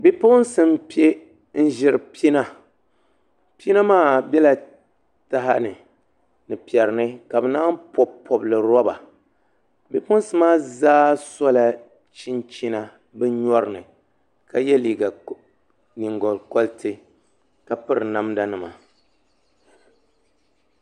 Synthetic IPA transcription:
bi˦pʊ˦nsɨ˦m˦pi˦e˦ | n̩˦ʒɪ˨ɾɨ˨pi˦na˦ | pi˦na˦maː˦˨bjɛ˦la˨ | ta˦ɦa˦nɨ˨ | nɨ˨pi˨ɛ˨ɾɨ˨nɨ˦ka˨bɨ˨na˦mpɔ˨pʰːɔ˨blɨ˨ɾɔ˦ba˨ | bi˨pʊ˦n˦sɨ˦maː˦zaː˦sɔ˦la˨ | t͡ʃi˦nt͡ʃi˦na˦ | bɨ˦ɲɔ˦ɾɨ˨nɨ˨ | ka˨jɛ˦liː˨ɡa˨ | ni˨ŋɡɔ˨lkɔ˦ltʰɨ˦ | ka˨pɨ˦ɾɨ˨na˨˦mda˦nɨ˨ma˨

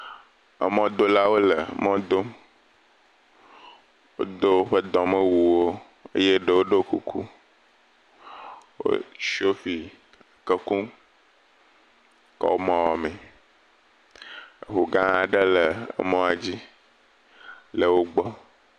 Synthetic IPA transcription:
ə˨mɔ̃˦d̪o˦la˦wo˦lə˨mɔ̃˦d̪o˦m | wo̰˦d̪ə˦wo˦ɸə˦d̪ɔ̃˨mə̃˦wu˨wo˦ | ə̰˦je˦ɖə˨wo˦ɖə˦ku˦kʰṵ˦ | wo̰˦ʃi˦o˦fi˨ | a˨kə˦kũ˦ | kɔ̰˦wo˦mã˦wɔ˨mẽ˨ | xo˨ɡã˦a˨ɖə˦lə˨ə̰˨mɔ̃˦a˨d͡ʑi˦ | lə˨wo˦ɡ͡bɔ˦

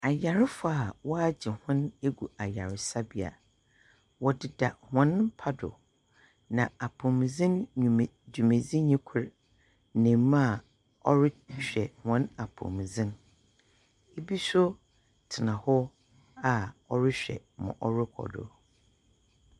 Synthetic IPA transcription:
a˨ja˨ɾɪ˦fʊ˨˦a˨wɔ˦a˦d͡ʑɪ˨hʊ̃˦ne˦ɡu˨ʔa˨ja˨ɾɪ˨sa˦bi˨a̰˨ | wɔ˨dɪ˨da˨hɔ̃˨˦ñ˦m˦pʰa˦dʊ̰˨ | nã˨a˨pʰʊ̃˨m˨zɪ̃˦n˨ | du˨mẽ˨zĩ˦ɲɛ̃˦kʷʰʊ˦ɾ | nɪ̃˨m˦m˦a˨ | ɔ̰˦ɾɪ˦ɕᶣɛ˨hɔ̃˨˦na˨pʰʊ̰̃˨m˨zɪ̃˦n | e˦bi˦sʊ˦ | tʰɪ˨nã˨hɔ˦ | a˨ɔ˦ɾɪ˦ɕᶣɛ̰˨mʊ̰̃˨ʔɔ˦ɾɪ˦kʰɔ̰˨dʊ̰˨ɾ

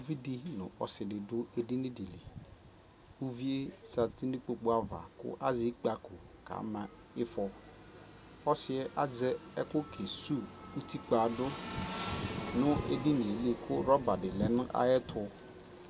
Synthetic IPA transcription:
vi˦di˦nʊ̰̃˨ʔɔ˨sɪ˨dɪ˨dʊ˦e˦di˦nĩ˦dɪ˨lɪ̰˨ | u˦vi˦e˦sa˨ti˦ni˦k͡po˨k͡pʊ˦a˦va̰˨kʊ̰˦ʔa˦zɪ˦k͡pa˦kʰʊ˨kʰa̰˨˦mã˨ | ɪ˦fɔ˦ | ɔ˦sɪ˨ɛ˦ʔa˦zɛ˦ɛ˦kʊ˦kʰe˨su˦u˦ti˦k͡pa˨dʊ˦ | nʊ̃˦ḛ˦di˦nĩ˨e˨li˦kʰʊ˦ɾɔ˦ba˨dɪ˨lɛ˨nʊ̃˦ʔa̰˦jɛ˦tʰʊ˦

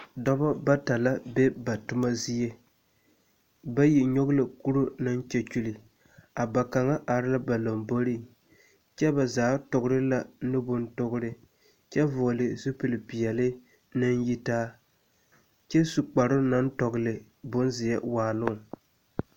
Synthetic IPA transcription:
dɔ˦ba˦ba˦ta˨la˦be˦ba˨tʊ˦ma˦zi˦je˦ | ba˦ji˨ɲo˦ɡʊ˦lɪ˨ku˦ɾʊ˦na˦nt͡ʃɛ˨t͡ʃu˦li˨ | a˨ba˨ka˨ŋa˦ʔa˨ɾɪ˦la˦ba˨la˨mbo˦ɾi˦ | t͡ʃɛ˦ba˨zaː˨˦tʊ˨ɡʊ˦ɾɪ˦la˨nɨ˦bʊ˦ntʊ˦ɡʊ˦ɾɪ˦ | t͡ʃɛ˦vʊ˨lɪ˨zu˦pɨ˨lpi˨ɛ˨lɪ˦ | nɨ˦nji˦taː˦ | t͡ʃɛ˦su˨k͡pa˨ɾʊ˦na˦ntɔ˨ɡʊ˦lɪ˨ | bʊ˦nzɪ˨jɛ˦waː˨lʊ˦ŋ˨

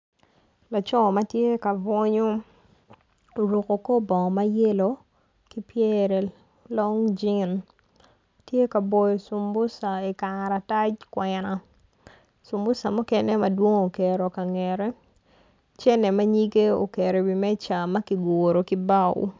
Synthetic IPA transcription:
la˨t͡ʃɔ˦ma˦tje˦ka˨vɔ˦ɲo˦˨ | ɾu˨ko˨ko˦bɔ˨ŋ˨ma˦je˦lo˨ | ki˦pjɛ˦ɾɛ˨ | lɔ˦ŋd͡ʒi˦n | tje˦ka˨bo˨jo˨su˨mbʊ˦sa˨i˨ka˨ɾa˨ta˦t͡ʃkwɛna˨ | su˨mbʊ˦sa˨mʊ˦kɛ˦ne˦mɐ˨dwo˦ŋo˨kɛ˨ɾo˨ka˨ŋɛɾɛ˦ | t͡ʃɛ˦nɛ˨ma˦ɲi˦ɡe˦o̰˨ke˨ɾe˨wi˨mɛ˦t͡ʃa˨mɐ˦ki˨ɡoɾo˨ki˦ba˦˨w̰

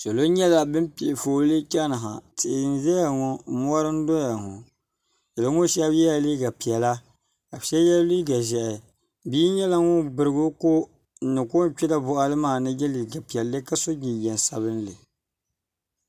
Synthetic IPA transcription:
so˨lo˦ɲɛ˦la˦bɨ˦pi˨ʔfoː˨˦lɨ˦t͡ʃa˦na˨ɦa̰˨tɪ˨ʔn˦ʒɛ˦ja˨ŋo˦˨mu˦ɔ˦ɾɨ˦n˦dɔ˦ja˨ŋʊ˨ | jɛ˨lɨ˨˦ŋʊ˦ʃa˦bjɛ˦ja˨li˦ɡa˨pi˨ɛ˨la˦ | ka˨ʃɛ˦jɛ˦li˦ɡa˨ʒɛ˨ʔɛ˨ | biː˦ɲɛ˦la˦ŋʊ˦bɨ˨ɾɨ˨ɡo˦ko˦ | n̩˦nɨ˨ko˦t͡ʃɛ˦la˦bʊ˨ʔa˨lɨ˦maː˦˨nɨ˦jɛ˦li˨ɡa˨pi˨ɛ˨lːɨ˦ka˦so˦ɡi˨jɛ˨n˨sa˨βɨ˦n˦lɨ˨

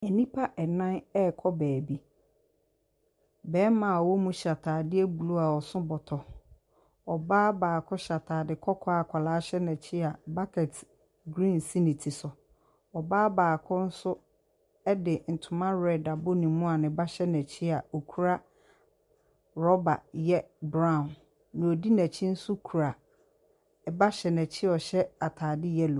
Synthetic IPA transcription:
ɛ˨nĩ˦pʰa˦ʔɛ˨nã˦nɛ˦˨kʰɔ˦bæː˨bi˦ | bɛː˨˦mã˨wɔ˦mũ˦ɕa˨tʰaː˨dɪ˦ɛ˦bu˨lu˦a˨ɔ˨sʊ̃˦bɔ˨tʰɔ˨ | ɔ˨baː˦baː˨kʰɔ˦ɕa˨tʰaː˨dɪ˨kʰɔ˦kʰɔ˦a˨kʷʰa˨laː˨˦ɕɛ˦nɛ̃˨t͡ɕʰɪ˦a˨ba˦kʰɛ˨t | ɡɾĩ˦˨nsi˦nĩ˨tʰi˨sʊ˨ | ɔ˨baː˦baː˨kʰʊ̃˦n̩˦sʊ˦ | ɛ˦dɪ˨n̩˨tʰʊ˨mã˦ɹɛ˦˨da˨bʊ˦nĩ˨mʊ̃˦a˨nɪ̃˨˦ba˦ɕɛ˦nɛ̃˨t͡ɕʰi˦a˨o˨kʰu˦ɾa˦ | ɾɔ˦ba˨jɛ˦bɾã˦˨n | nʊ̃˨o˨di˦næ̃˨t͡ɕʰi˦n̩˦sʊ˦kʰu˨ɾa˨ | ɛ˨ba˦ɕɛ˨nɛ̃˨t͡ɕʰi˦ɔ˨ɕɛ˦a˨tʰaː˨dɪ˦jɛ˦lo˨

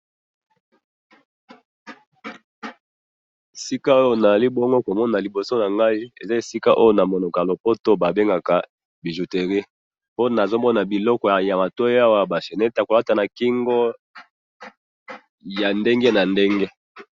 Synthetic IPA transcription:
e˨si˦ka˦o˦jo˦na˨za˨li˦bɔ˦ŋɡo˦ko˨mɔ˦na˨li˨bo˨so˦na˨ŋɡa˦i˦ḛ˨za˦e˨si˦ka˦ʔo˦jo˦na˨mo˨no˨ka˨lo˨po˦to˦ba˨be˦ŋɡa˨ka˨ | bi˨ʒu˨te˨ʁi˦ | po˦na˨zo˦mɔ˦na˨bi˨lɔ˦kɔ˨ja˨ma˨to˦ja˦wa˦ba˨ʃe˨ne˦ta˨ko˨la˦ta˨na˨ki˦ŋɡɔ˦ | ja˨nde˦ŋɡe˦na˨nde˦ŋɡe˦

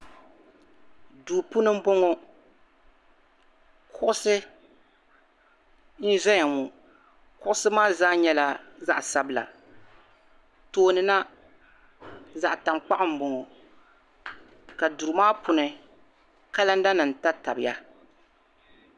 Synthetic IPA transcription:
duː˨pu˦nɨ˦m̩˦bo˦ŋo˦ | kʰʊ˦ʔʊ˦sɨ˦ | n̩˦zɛ˦ɲa˨mu˨ | kʊ˦ʔʊ˦sɨ˦maː˦zaː˦ɲɛ˦la˦za˦ʔsa˦bɨ˦˨la̰˨ | toː˨nɨ˨na˦ | za˨ʔta˨mk͡pa˦ʔɪ˦m̩˦bo˦ŋo˨ | ka˨du˨ɾmaː˦pʊ˨nɨ˨ | ka˦la˦n̩˦da˦nɨ˨n̩˨ta˦ta̰˨bɪ˨ja˦

